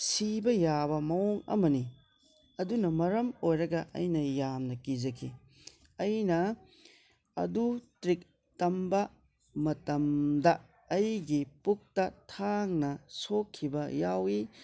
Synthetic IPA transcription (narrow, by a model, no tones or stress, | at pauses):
sibɐjabɐmɐoŋɐ̰mɐni | ɐdunɐmɐɾɐmojɾɐɡɐʔɐ̰jnɐjamnɐkid͡ʒɐkʰi | ɐjnɐ | ɐ̰dutɾik̚ | tɐmbɐ | mɐtɐmdɐː | jɡipuk̚tɐtʰaŋnɐsokʰːibɐjawi